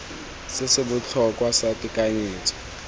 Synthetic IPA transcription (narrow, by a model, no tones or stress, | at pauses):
sɪseɓut͡ɬʰɔkʼwasatʼikʼaɲiːtʰɔ̥